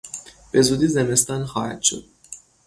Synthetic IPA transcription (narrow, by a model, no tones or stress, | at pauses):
b̥e̞zuːd̪iːzeme̞st̪ɒːnxɒːhæ̰d̪̥ʃo̞̰d̪̥̚